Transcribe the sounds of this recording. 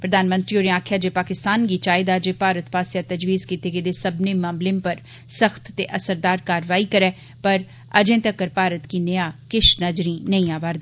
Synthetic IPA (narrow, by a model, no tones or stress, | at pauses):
pɾəd̪aːnmənt̪ɾiːoːɾẽaːkʰjaːd͡ʒeːpaːkɪst̪aːnɡiːt͡ʃaːɪd̪aːd͡ʒeːpaːɾət̪paːsjaːt̪əd͡ʒʋiːzkiːt̪eːɡed̪eːsəbneːmãːmlɪmpəɾ | səxt̪ːeːʔəsəɾd̪aːɾkaːɾʋaːiːkəɾɛː | pəɾ | əd͡ʒẽːt̪əkːəɾpaːɾət̪kiːnəjaːkɪʃnəd͡ʒɾĩːnə̃ĩaːʋaːɾd̪iː